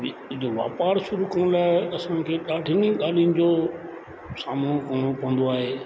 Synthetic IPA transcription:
d͡ʑoʋa̰ːpaːɾʃʊɾukɐɽ̃laːɪɐsãkʰeːɗaːɖʱɪnĩɠaːl̤ijʊnɪ̆d͡ʑoː | saːmũkɐɽ̃opɐʋə̃nd̪oaːɦeː

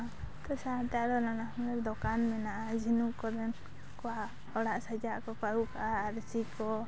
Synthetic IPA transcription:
t̪ɔsat̪aɾɔnanahmlɛd̪ɔkanmɛnaʔad͡ʒʱinukɔɾɛn | kɔa | ɔɽaʔsad͡ʒaʔkɔkaɾuʔkaʔaːɾsikɔ

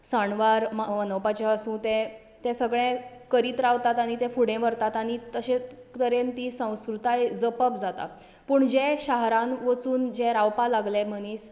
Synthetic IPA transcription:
səɳʋaɾməʋənəwpat͡ɕeəsũːt̪ɛ̃ | t̪ɛ̃səɡɭɛ̃kəɾiːt̪ɾaʋt̪at̪aɽ̃it̪ɛ̃fuɽẽʋəɾt̪at̪aɽ̃it̪əɕẽ | t̪əɾent̪isə̃w̃skɾut̪ajd͡zəpəpd͡zat̪a̰ | puːɳd͡ʑɛ̃ɕaɦɾãnʋət͡suːnd͡ʑɛ̃ɾawpalaɡlɛm̤əñiːs

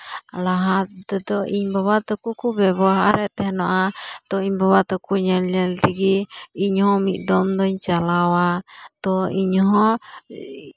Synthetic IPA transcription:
laɦat̪̚d̪ɛd̪ɔiɲbaβat̪ɔkukubɛbɔaɦaɾɛt̪ɛhɛnɔʔat̪ɔiɲbaβat̪ɔkuɲalɛlt̪iɡiiɲhɔmiʔd̪ɔmd̪ɔɲt͡ʃalawat̪ɔiɲɔɦɔ

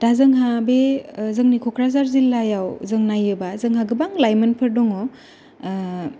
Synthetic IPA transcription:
d̥azɯŋɦabezɯŋnikʰɔkʰɾazaɾzilːajawzɯŋnajɯbazɯŋɦaɡɯbaŋlajmɯnpʰɯɾdɔŋɔ

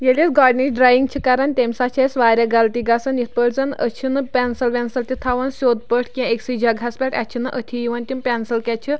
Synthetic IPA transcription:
jelʲesɡaɖniɖɾajiŋɡt͡ɕʰikaɾant̪ʲemsat͡ɕʰesʋaɾʲaɡalt̪iɡasɐnjit̪̚ʰpəʈt͡sɐnət͡ɕʰinɨpʲɛnsəlʋʲɛnsəlt̪ʲit̪ʰaʋɐnsod̪̚pəʈʰkĩaeksid͡ʑʱaɡʱaspʲɛʈʰa̰t͡ɕʰinɨʔət̪ʰijiʋanʲt̪ʲimpʲɛnsəlkʲɛt͡ɕʰi

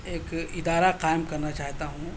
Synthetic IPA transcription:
eːkɪd̪aːɾaqaːɪmkɐɾnat͡ʃaːɦt̪aɦũ

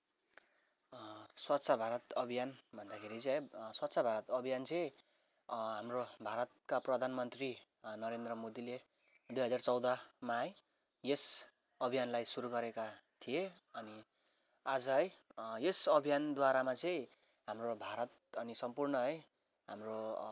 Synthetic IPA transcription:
swʌtsʰabʱaɾʌt̪ʌbʱijanbʱʌnd̪akʰeɾit͡sʌ̃ɦʌjswat̪ːsʰabʱaɾʌt̪ʌbʱijant͡sʌĩ | ɦamrobʱaɾʌt̪̚kaprʌd̪ʱanmʌnt̪ri | nʌɾend̪rʌmod̪ile | d̪ujɦʌd͡zart͡sʌwd̪ʌmaj | jes | ʌbʱijanlajsuɾuɡʌɾekat̪ʰijeʌni | ad͡zʌɦʌjjesʌbʱijand̪waɾamat͡sʌ̃ĩ | ɦamrobʱaɾʌt̪̚ʌnisʌmpurnʌɦʌj | ɦamro

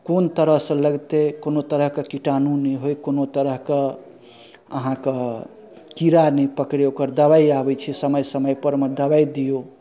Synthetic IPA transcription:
kont̪əɾəɦsə̃ləɡt̪ekonot̪əɾəɦkəkiʈanunəɦojkonot̪əɾəɦkə | ə̰ɦãkə | kiɾanəpəkɽjokəɾd̪əβaiabəjt͡ʃʰisəməjsəməjpəɾmed̪əbajd̪ijo

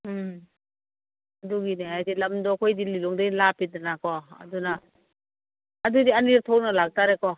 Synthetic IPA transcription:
aduɡineajtilamdɔkʰɔjdililɔŋdɯjlapidanakɔa̰duna | dudianiɾatʰɔwnalak̚taɾekɔ

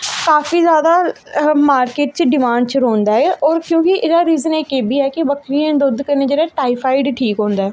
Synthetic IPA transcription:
kaːfʰiːzjaːd̪aːmaːɾkeːʈ̚t͡ʃɖɪmãːɳɖt͡ʃɾõːnd̪aːɛːʔɔːɾkjõːkɪʔɪɡaːɾiːzəneːkeːbiːɛːkɪʋəkʰɾiːẽd̪ʊd̪kəneːd͡ʒeːɽaːʈaːipʰaːɪɖʈʰiːkɦõːnd̪aːɛː

